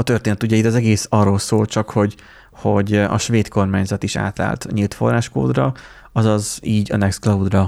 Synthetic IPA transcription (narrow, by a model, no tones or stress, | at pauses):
ɒt̪ørt̪eːnɛt̪uɟɛit̪ɒzɛɡeːsɒrːoːlsoːlt͡ʃɒkho̞ɟ | ho̞ɟɒ̰ʃʋeːt̪ko̞rmaːɲzɒt̪iʃa̰ːt̪a̰ːlt̪ɲiːlt̪fo̞̰rːaːʃko̰ːd̪rɒ | ɒzɒziːɟɒ̰nɛksklɒud̪rɒ